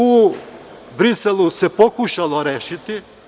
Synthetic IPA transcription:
u | bɾiselˠusepokuʃalˠoɾeːʃit̪i

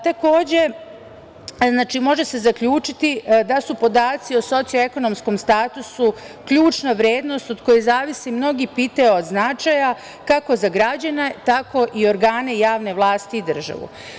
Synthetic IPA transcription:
t̪ako̞ːd͡ʑe̞ | znaːt͡ʃimo̞ʒe̞se̞zakʎuːt͡ʃit̪id̪asupo̞d̪aːt̪sio̞so̞t̪sioe̞ko̞no̞msko̞mst̪aːt̪usu | kʎuːt͡ʃnaʋɾjeːd̪no̞st̪od̪ko̞jezaːʋisimno̞ɡipiːt̪aod̪znat͡ʃaja | kako̞zaɡɾad͡ʑanet̪ako̞ʔio̞ɾɡaːne̞jaːʋne̞ʋlˠaːst̪iːd̪r̩ʒa̰ʋṵ

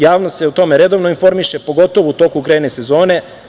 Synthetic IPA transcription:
jaːʋnose̞ut̪o̞meɾe̞d̪o̞ʋnoinfo̞ɾmiʃe̞po̞ɡo̞t̪o̞ʋout̪o̞ːkukɾenese̞zo̞ːne̞

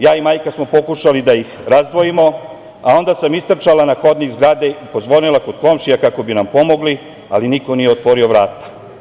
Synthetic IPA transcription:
jaːimaːjkasmo̞po̞kuʃalid̪aixɾazd̪ʋo̞jimo̞ | a̰o̞nd̪asamist̪r̩t͡ʃalanaxo̞d̪niɡzɡɾaːd̪eipo̞zʋo̞nilako̞d̪̥ko̞mʃijakako̞binampo̞mo̞ɡli | a̰liniko̞nijeot̪ʋo̞ɾio̞ʋɾaːt̪ḁ

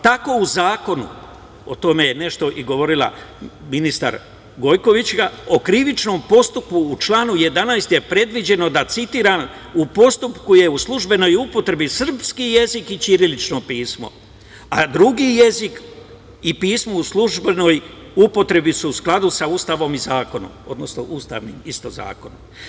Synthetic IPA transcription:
t̪ako̞uzaːko̞nṵ | ot̪o̞me̞jene̞ʃt̪o̞ʔiɡo̞ʋo̞ɾilˠa̰minist̪a̰ɾ | ɡo̞jko̞ʋit͡ɕɡao̞kɾiʋit͡ʃno̞ːmpo̞st̪upuːt͡ʃlˠaːnuje̞d̪anajst̪je̞pɾe̞d̪ʋid͡ʑe̞no̞d̪at̪sit̪iːɾan | upo̞st̪upkuje̞uslˠuʒbe̞no̞jupo̞t̪ɾe̞bisr̩pskije̞zikit͡ʃiɾilit͡ʃno̞piːsmo̞̰ | ad̪ɾuɡije̞zik | ipiːsmouslˠuʒbeno̞j | upo̞t̪ɾe̞bisuusklˠad̪usauːst̪aʋo̞mizaːko̞no̰mo̞d̪nosnoʔust̪a̰ʋnḭmist̪oza̰ːko̞nom

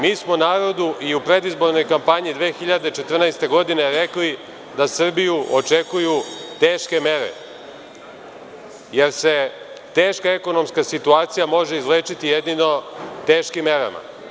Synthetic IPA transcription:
miːsmonaːɾo̞d̪uʔiupɾe̞d̪izbo̞ɾno̞jkampaɲid̪ʋe̞ːxiʎad̪et͡ʃet̪r̩nɛjst̪e̞ɡo̞d̪ine̞ɾe̞kli | d̪asr̩bijuot͡ʃekujut̪eːʃke̞me̞ɾḛ | je̞ɾse̞ | t̪e̞ːʃkae̞ko̞no̞mskasit̪uaːt̪sijamo̞ʒeizvleːt͡ʃit̪ijed̪nino̞t̪eːʃkimːe̞ɾa̰ma̰

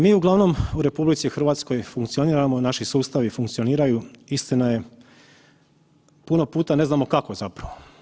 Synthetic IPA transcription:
miːuɡlˠaʋno̞muɾe̞publit̪sixr̩ʋaːt̪sko̞jfuŋkt̪sio̞niːɾamonaʃisuːst̪aʋifuŋkt̪io̞niːɾajuist̪inaje̞ | puno̞puːt̪ane̞znamo̞kako̞zapɾaʋo

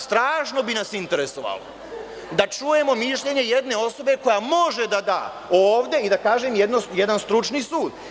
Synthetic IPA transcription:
st̪ɾaːʃno̞binasint̪e̞ɾe̞so̞ʋa̰ːlo̰ | d̪at͡ʃuːje̞mo̞miʃʎe̞ɲe̞je̞d̪ne̞o̞so̞be̞ko̞jamo̞ʒe̞d̪ad̪a̰ː | oːʋd̪e̞id̪akaːʒemjed̪nojed̪anst̪ɾut͡ʃniːsuːd̪

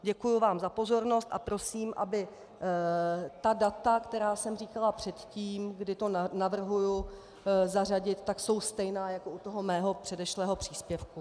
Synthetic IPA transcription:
ɟɛkujuvaːmzapo̞zo̞ɾno̞st̪ʔapɾo̞siːmʔabɪ | t̪adat̪akt̪ɛɾaːsɛmriːkalapr̥ɛt̪ciːmɡdɪt̪o̞navr̩ɦuju | zaraɟɪt̪ːakso̞wst̪ɛjnaːjako̞ut̪o̞ɦo̞mɛːɦo̞pr̝̥ɛdɛʃlɛːɦo̞pr̝̥iːspjɛfku

